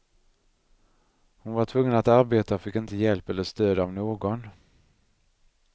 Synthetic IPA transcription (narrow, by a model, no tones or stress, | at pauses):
hʊnvaʈʰvɵŋːənat̪aɾbeːt̪aɔfɪkːɪnt̪əjɛlpɛlːəʂt̪øːd̪aɔmnoːɡɔn